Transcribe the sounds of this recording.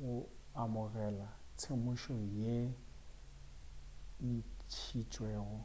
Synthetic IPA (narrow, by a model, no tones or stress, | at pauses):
ɣʊamʊɣɛlat͡sʰemʊʃɔje | n̩t͡ʃʰit͡ʃʼweːɣʊ